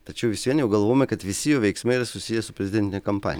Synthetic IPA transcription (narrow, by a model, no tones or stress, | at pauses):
t̪ɐt͡ʃʲɛʊʋʲɪsʲʋʲiɛnjɛʊɡɐlˠʋoːjmʲɛkɐt̪ʋʲɪsʲɪjoːʋʲɛɪksmɐɪiɾɐsʊsʲɪjɛsʊpʲɾʲɛzʲɪd̪ʲɛnt̪ʲɪnʲɛkɐmpɑ̰nʲ